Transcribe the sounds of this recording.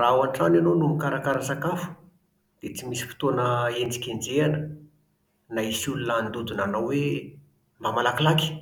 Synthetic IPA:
rawanʈ͡ʂananonumikaɾakaɾasakafu̥ | d̪̥et͡simisi̥fi̥t̪onəend͡zikʲend͡zeanə | naisulunaːnd̪ud̪unanawwe | mamalakilaki̥

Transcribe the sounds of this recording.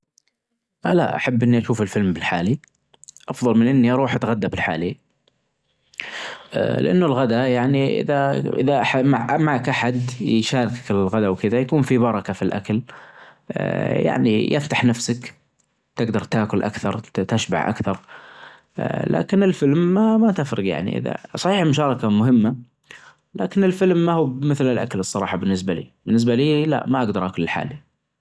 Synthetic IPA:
ʔala̰ʔa̰ħabːʔɪnːiʔaʃuːfɪlfɪlmbɪlħaːli | ʔɑfðˤɑlmɪnʔɪnːiʔɑɾˤuːħʔat̪ɣad̪ːabɪlħa̰ːli | lɪ̰ʔa̰nːʊlɣad̪ajaʕniʔɪ̰ðaʔɪ̰ðaʔaħamaʕʔmakʔaħad̪jʃaːɾɪkakɪlɣad̪awkɪd̪ajakuːnfibɑɾˤɑkafilʔa̰kal | ja̰ʕnḭjɪft̪aħnafsak | t̪ɪɡd̪ɑɾˤt̪aːkʊlʔa̰kθɑɾˤt̪aʃba̰ʕʔa̰kθɑɾˤ | la̰ːkɪnɪlfɪlmːamat̪ɪfɾɨɡja̰ʕnḭʔɪ̰ða̰sˤɑħiːħmʊʃɑːɾˤɑkamʊɦɪmːa | laːkɪnɪlfɪlmːahuːmɪθlɪlʔa̰kalɨsˤːɑɾˤɑ̰ːħɑbɪnːɪs̬balḭːb̥ɪnːɪs̬baliːla̰ʔmaʔaɡd̪ɑɾˤʔakʊlɪlħa̰ːli

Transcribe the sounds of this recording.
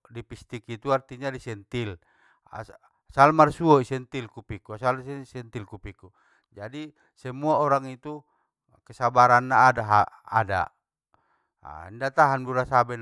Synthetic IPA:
dipist̪ikit̪uart̪iɲadisɛnt̪il | a̰ | salmarsuɔisɛnt̪ilkupikuasalsɛsɛnt̪ilkupiku | d͡ʒadi | sɛmuaɔɾaŋit̪u | kɛsabaɾanːaːdaɦa̰ːda̰ | indat̪aɦanbuɾasabɛn

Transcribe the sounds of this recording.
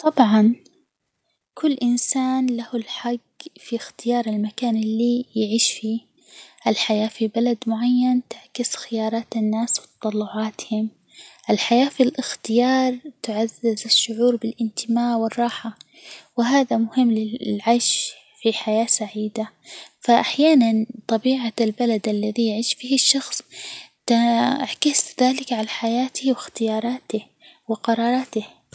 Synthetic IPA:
t̪ˤɑbʕɑn | kʰʊlːʔɪnsaːnlahʊlħaɡ | fixt̪ɪjɑːɾˤɪlmakaːnɪlːijɪʕiːʃfiː | ʔɪlħajaːfibalad̪mʊʕajːant̪ɪʕkɪsxɪjɑːɾˤɑːt̪ɪnːaːswɪt̪ɑ̥t̪ˤɑlːʊʕaːt̪hɪm | ʔɪlħajaːfilʔɪxt̪ɪjɑːɾˤt̪ʊʕazːɪzaʃːʊʕuːɾbɪlʔɪnt̪ɪmaːʕwɪrˤːɑːħa | wɪɦaːðamʊhɪmːlɪlʕajʃ | fiħajaːsaʕiːd̪a | faʔaħjaːnant̪ˤɑbiːʕalbalad̪ʔalːaðijɪʕiːʃfiːhɪʃːɑxsˤt̪aaʕkɪsðaːlɪkʕalaħajaːt̪ɪhwɪxt̪ɪjɑːɾˤɑːt̪ɪ | wɪqɑɾˤɑːɾˤɑːt̪ɪh

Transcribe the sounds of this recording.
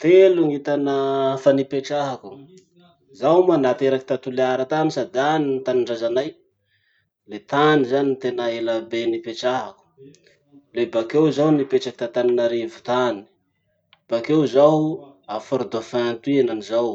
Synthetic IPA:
t̪eluŋit̪anəfanipeʈ͡ʂaɦaku̥ | zawmanat̪eɾaki̥t̪at̪uleaɾət̪anisad̪anint̪aniɳɖ͡ʐazanaj | let̪anizaninit̪enaelabenipeʈ͡ʂaɦaku̥ | lebakewzawnipeʈ͡ʂaki̥t̪at̪aninaɾevu̥t̪ani̥ | b̥akewzawafaɾud̪ofant̪uienanizaw

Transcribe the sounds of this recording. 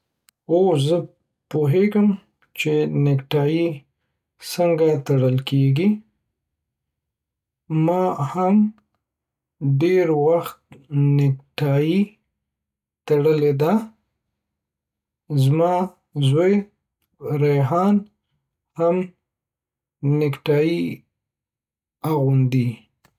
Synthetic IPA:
ozə | poɦeɡəm | t͡ʃenɪkʈɑji | səŋɡat̪aɽəlkeɡi | mɑham | ɖeɾwaxt̪̚nɪk̚ʈɑji | t̪aɽəled̪a | zmɑ | zoj | ɾeɦɑn | ham | nɪkʈɑji | aɣʊnd̪i

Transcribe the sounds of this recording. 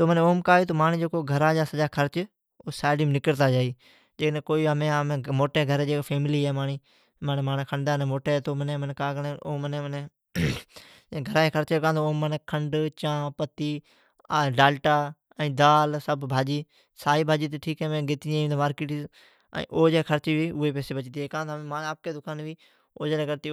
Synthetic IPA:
t̪oːməneoːmkaːjiːt̪oːmaːɳĩːd͡ʒoːkoːɡʱəɾaːd͡ʒaːsəd͡ʒaːkʰəɾt͡ʃ | oːsaːɖiːmnɪkəɾt̪aːd͡ʒaːiː | d͡ʒeːnẽːkoːiːəmẽːmẽmoːʈeːɡʱəɾːd͡ʒeːkːfʰeːmɪliːɛːmaːɳiː | məneːmaːneːkʰəɳɖaːnẽːmoːʈeːt̪oːməneməneːkaːɡneːoːməneːəneː | ɡʱəɾaːeːkʰəɾt͡ʃːkãːnd̪oːoːməneːkʰəɳɖt͡ʃãːpət̪ːiː | ɖaːlʈaː | əĩːd̪aːlsəbbʱaːd͡ʒiː | saːiːbʱaːd͡ʒiːt̪̬eːʈʰiːkɦɛːmẽːɡɪt̪iẽːd̪maːɾkiːʈḭ̃ | ʔoːd͡ʒeːkʰəɾt͡ʃiːʋiːʊeːpeːseːbət͡ʃt̪iːɛːkãːd̪mẽmaːnːaːp̚keːd̪ʊkʰaːnʋiː | oːd͡ʒeːleːɡəɾt̪iː

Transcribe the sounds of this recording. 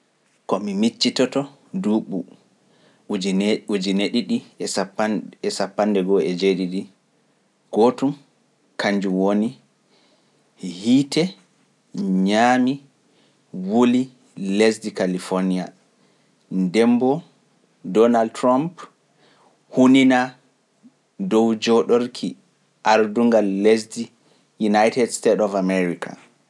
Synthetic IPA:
kɔmimit͡ʃːitɔtɔ | duɓu | iud͡ʒineɗiɗipaɛsapːandɛɡɔɛd͡ʒeɗiɗi | ɡ̥otum | kaɲd͡ʒuwoni | hiːtɛ | ɲami | woli | lesdikalifonia | ndɛmbɔ | dɔnaldtɾamp | hunina | dɔwd͡ʒɔɗoɾkʰi | ʔaɾduŋɡalːesdi | junajtɛdstetɔfamɛɾika̰

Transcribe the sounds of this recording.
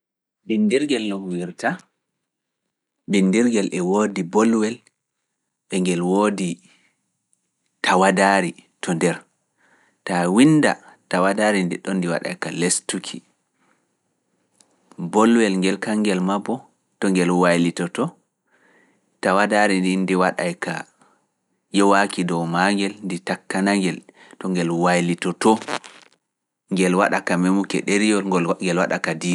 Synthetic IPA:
bindiɾɡɛlnɔhwiɾta | bindiɾɡɛlʔɛwodibɔlwɛl | ɓɛŋɡɛlwodi | tawadaɾitʰɔndɛɾ | tawinda̰tawadaɾindiɗɔndiwa̰ɗa̰kalestukʰḭ | bɔlwɛlŋɡɛlkaŋɡɛlmabɔ | tɔŋɡɛlwajlitɔtɔ | tawadaɾindindiwaɗa̰jka̰ | jɔwakidɔwmaŋɡɛlnditakːanaŋɡɛl | tɔŋɡɛlwajlitɔtɔ | ŋɡɛlwaɗakamemukɛ̰ɗeɾijɔlɡɛlwa̰ɗakadiː

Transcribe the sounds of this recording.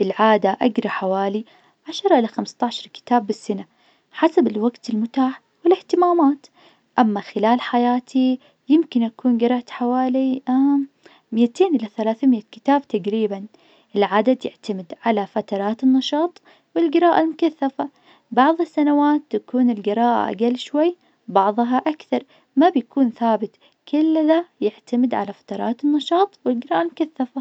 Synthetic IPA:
ɪlʕaːd̪aʔaɡɾˤɑħawaːli | ʕaʃɑɾˤɑʔɪlaxamst̪ɑʕʃɑɾˤkɪ̥t̪aːbːɪsːana | ħasabɪlwaɡt̪ɪlmʊt̪aːħ | wɪlɪht̪ɪmaːmaːt̪ | ʔamːaxɪlaːlħajaːt̪ʰi | jɪmkɪnʔakuːnɡɪɾˤɑʔt̪ħawaːlia | mɪjat̪eːnʔɪlaθalaːθmɪjakɪ̥t̪aːbt̪aɡɾiːban | ʔɪlʕad̪ad̪jɪʕt̪amɪd̪ʕalafat̪ɑɾˤɑːt̪ɪnːɑʃɑːt̪ˤ | wɪlɡɪɾɑːʔalmʊkaθːafa | bɑʕðˤɪsːanawaːt̪ːakuːnɪlɡɪɾɑːʔa̰ʔa̰ɡalːʃwajː | bɑʕðˤɦaʔakθɑɾˤ | mabjakʰuːnθaːbɪt̪ | kʰɪlːðajɪʕt̪amɪd̪ʕa̰lafḁt̪ɑɾˤɑ̰ːt̪ɪnːɑʃɑːt̪ˤwɪlɡɪɾˤɑːʔalmʊkaθːafa

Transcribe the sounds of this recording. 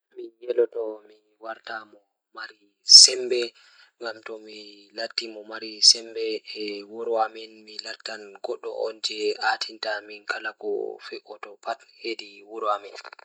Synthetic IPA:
mijɛlɔtɔmi | waɾtamɔ | maɾi | sɛmbɛ | ŋɡamtɔmilatːimɔmaɾisɛmbɛwoɾwamɛnmilatːanɡɔɗːɔ̰ʔɔnd͡ʒɛatʰintaminkʰalakɔ̰fɛʔɔtɔpathediwoɾamɛn

